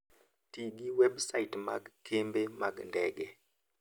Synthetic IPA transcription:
tiɡiwebsaitma̰ɡkembemaɡndɛɡe

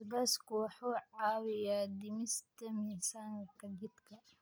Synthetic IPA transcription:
ɡaskʰʊwħuːʕɑːwɪjaːd̪ɪmɪst̪ʰɐmɪsaːŋkʰɐɡɪd̪kʰɐ

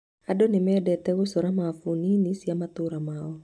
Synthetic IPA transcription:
adonɪmɛdɛt̪ɛwosoɾamafuninisiamat̪uɾamao

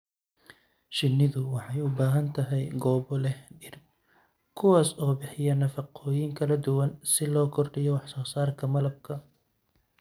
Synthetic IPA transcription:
ʃɪnːɪðʊwɑħɑjʊbaːɦɐnt̪ʰɐɦɛjɡɔːβɔlɛhɖɪr | kʰʊwaːsɔːbɪħɪjɐnɐfɑqʰɔːjɪŋkʰɐlɐd̪ʊwɐnsɪlɔːkʰɔrɖɪjɔwɑħsɔːsaːrkʰɐmɐlɐb̚kʰɐ

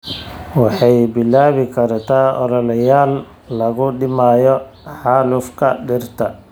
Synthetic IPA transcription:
wɑħɑjbɪlːaːβɪkʰɐrt̪ʰaːʔɔ̰ɾɔlɐjaːlː | ɐɣʊɖɪmaːjɔ | ħɑːlʊfkʰɐɖɪrt̪ʰɐ

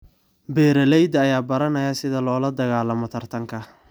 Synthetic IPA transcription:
bɛːɾɐlɛjd̪ɐːjaːbɐɾɐnɐjɐsɪðɐlɔːlɐd̪ɐɣaːlɐmɔt̪ʰɐrt̪ʰɐŋkʰɐ

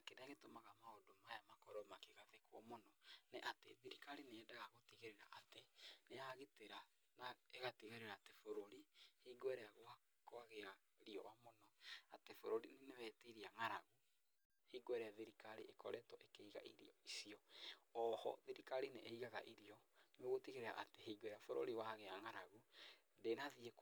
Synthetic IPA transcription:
akenaɣetomaɣamaodomajamakɔɾɔmakeɣaðekwɔmonɔneʔateðiɾikaɾineːdaɣaɣotiɣeɾeɾa̰ʔateneaɣeteɾa | naeɣatiɣeɾeɾaːtefoɾoɾihiɡwɛɾɛaɣoa | kwaɣea | ɾiɔ̰wamonɔatefoɾoɾinenewɛtiɾiaŋaɾaɣu | hiɡwɛɾɛjaðiɾikaɾiʔekɔɾɛtɔʔekeiɣa̰ʔiɾḭɔisiɔɔhɔ̰ðiɾikaɾineːiɣaɣa̰ʔiɾiɔneoɣotiɣeɾeɾa̰ʔa̰teheiɡwɛɾafoɾo̰ɾiwaaɣeaŋaɾaɣu | ndenaðiek

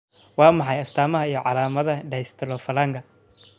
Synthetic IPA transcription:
wɑːmɑħɑjɐst̪ʰaːmɐɦɐijɞʕɑlaːmɐðɐɖɛjst̪ʰɐlɔːfɐlaːŋɡʰɐ

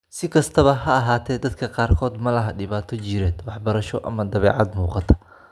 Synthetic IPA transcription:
sɪkʰɐst̪ʰɐβɐhɐɐɦaːt̪ʰɛːd̪ɐd̪kʰɐqɑːrkʰɔːd̪mɐlɐɦɐɖɪβaːt̪ʰɔt͡ʃɪɾɛːd̪wɑħbɐɾɐʃɔʔɐ̰mɐd̪ɐβɛːʕɑd̪muːqɑt̪ʰɐ̥

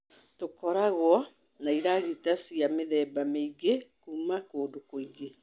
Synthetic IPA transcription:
tokɔɾaɣwɔ | naiɾaɣitasiameðɛːbameiɡekumakoːdokoiɡe

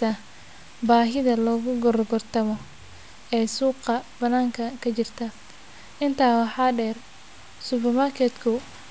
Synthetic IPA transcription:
ɐ | baːɦɪðɐlɔːɣʊɡɔrɡɔrt̪ʰɐmɔ | ɛːsuːqɐb̥ɐnaːŋkʰɐkʰɐt͡ʃɪrt̪ʰɐ | ʔɪnt̪ʰaːwɑħɑːɖɛːr | sʊpɛrmɐrkʰɛːt̪kʰʊ

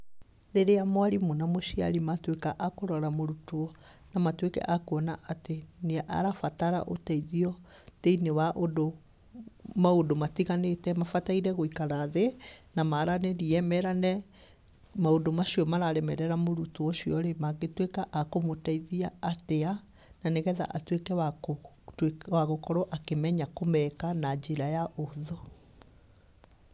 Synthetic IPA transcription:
ɾeɾeamwaɾimonamoʃia̰ɾimatwekaʔakoɾɔɾamoɾutoɔ | namatwekɛ̰ʔakoɔnaʔateneʔa̰ɾafataɾa̰ʔo̰taiðiɔ | teinewaʔodo | maodomatiɣanetɛmafataiɾɛɣoikaɾaðenamaɾanɛɾiɛmɛɾanɛ | maodomaɕiɔmaɾaɾɛmɛɾɛɾamoɾutuɔɕiɔɾemaɡetwekaʔakomotaiðiaːtea | naneɣɛða̰ʔatwekɛwao | waɣokɔɾɔʔakemɛɲakomɛkanad͡ʑeɾajaʔoðo

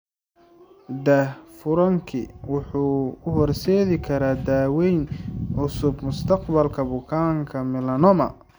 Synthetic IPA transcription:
d̪ɛfʊɾɐŋkʰɪwʊħuːʊɦɔrsɛːðɪkʰɐɾaːd̪aːwɛjnʕʊsʊbmʊst̪ʰɐqbɐlkʰɐbʊkʰaːŋkʰɐmɪlɐnɔmɐ̰

